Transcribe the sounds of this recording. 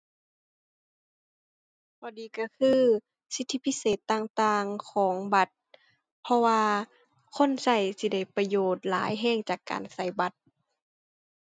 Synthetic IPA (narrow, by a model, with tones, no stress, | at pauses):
bʰɔː˧˩diː˨ka˧˩kʰɯː˧ | si˧˥t̪ʰːi˧˩pʰi˧˥seː˨˩t̪ːaː˧˩ŋt̪aː˧ŋkʰɔː˨˩˦ŋba˧˦t̪̚ | pʰɔ˧waː˧ | kʰo˧˥˨nsa˧˩jsi˧˩da˧˩jpa˧joː˨˩t̪̚la̰ː˨˦jɦɛː˧˩˨ŋt͡ɕaː˨˩kːa̰ː˨˩nsa˧˩jba˧˦t̪̚